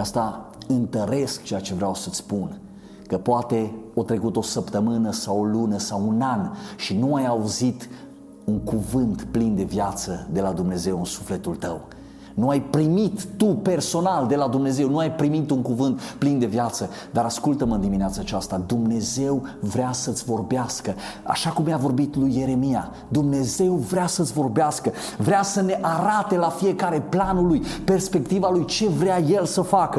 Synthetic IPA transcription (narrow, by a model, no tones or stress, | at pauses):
ast̪a | ɨnt̪əɾe̞sk̚t͡ʃejat͡ʃe̞vɾeawsət̪sʲpun | kəpoat̪e̞ot̪ɾe̞kut̪o̞səpt̪əmɨnəsawolunəsawunanʃinuajauzit̪ | uŋkuvɨnt̪plind̪e̞vjat̪səd̪e̞lad̪umne̞ze̞wɨnsu̥fle̞t̪ult̪əw | nuajpɾimit̪ːupe̞rso̞nald̪e̞lad̪umne̞ze̞wnuajpɾimit̪uŋkuvɨnt̪plind̪e̞vjat̪səd̪aɾaskult̪əmɨnd̪imineat̪sat͡ʃast̪ad̪umne̞ze̞wvɾeasət̪sʲvo̞rbeaskəa̰ʃakumːjavo̞rbit̪lujːe̞ɾe̞mija̰ | d̪umne̞ze̞wvɾeasət̪sʲvo̞rbeaskə | vɾeasəne̞ʔaɾat̪e̞lafije̞kaɾe̞planulujpe̞rspe̞k̚t̪ivalujt͡ʃe̞vɾeaje̞lsəfakə